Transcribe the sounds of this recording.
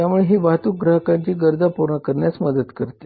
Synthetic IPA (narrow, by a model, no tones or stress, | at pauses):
jamuɭeɦiːbʱat̪uːk̚ɡɾəɦəkaɲt͡ɕiːɡəɾd̪ʱapuɾɳəkəɾɳjasməd̪ət̪kəɾt̪e̥